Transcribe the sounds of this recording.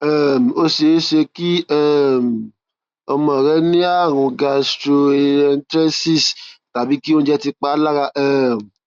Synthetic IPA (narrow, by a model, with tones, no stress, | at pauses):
ɛ˦˨m̩˨o˦ʃe˨˦ʃe˧ki˦ɛ˦˨m̩˨ | ɔ˧mɔ̃˨ɾɛ˦nĩ˦a˦˨ɾ̃ũ˧ɡa˧stɾo˧ɛ˧ntɾɛ˦si˦˨sta˨bi˨˦ki˦o˦ñ˦d͡ʒɛ˦ti˧k͡pa˦la˦ɾa˧ʔɛ˦˨m˨